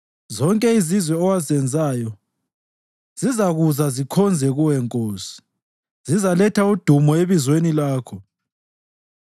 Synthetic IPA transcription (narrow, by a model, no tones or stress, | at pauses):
zɔŋkʼɛizizwɛɔwazɛnd͡zʱaːjɔ | z̥izaɣuzazikʰɔnd͡zʱɛɣuwɛŋkʼoːsi̥ | z̥izalɛtʰaud̥ʱumɔeβizwenilaːkʰɔ